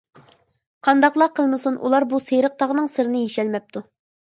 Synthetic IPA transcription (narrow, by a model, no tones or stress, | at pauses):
qʰɑnd̪ɑqlˠɑqʰːəlˠmɨsunʔṵlˠɑɾbusejɾəq̚t̪ɑʁnɨŋsɨɾɨnɨjeʃɛlmɛp̚t̪ʰu